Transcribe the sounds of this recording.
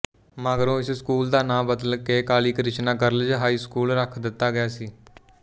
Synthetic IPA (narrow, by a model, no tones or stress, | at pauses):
maːɡɾõːɪsskuːld̪aːnãːbəd̪əlkeːkaːliːkɾɪt͡ʃnaːkəɾəld͡ʒɦaːiːskuːlɾəkʰd̪ɪt̪ːaːɡɪjaːsiː